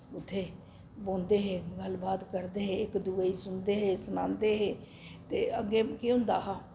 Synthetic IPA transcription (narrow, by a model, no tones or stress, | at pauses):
ʊt̪ʰːeː | bõːnd̪eːɦeːɡəlbaːd̪kəɾd̪eːɦeɪkd̪uːəiːsʊnd̪eːɦeːsʊnãːnd̪eːɦeː | t̪eːəɡːeːkiɦʊ̃nd̪aːɦaː